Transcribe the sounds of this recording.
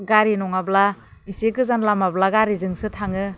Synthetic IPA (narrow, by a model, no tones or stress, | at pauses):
ɡaɾinɔŋablaisekɯzanlamablaɡaɾizɯŋsɯtʰaŋɯ